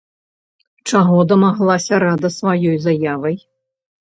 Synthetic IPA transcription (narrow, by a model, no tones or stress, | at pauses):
t͡ʂaɣɔd̪ɐmaɣlˠasʲɐɾad̪ɐsvajɔjzajavɐj